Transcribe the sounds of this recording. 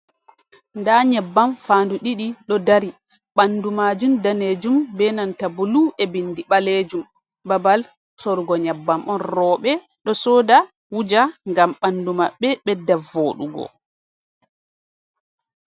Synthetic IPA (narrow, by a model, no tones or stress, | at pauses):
ndaɲɛbːamfaːnduɗiɗiɗɔdaɾi | ɓandumaːd͡ʒumdaned͡ʒumbɛnantabuluʔɛbinːdiɓaled͡ʒum | babal | sɔɾɡɔɲɛbːamʔɔnrɔːɓɛ | ɗɔsɔːda | wud͡ʒaŋɡamɓandumaɓːɛɓɛdavoːɗṵɡɔ̰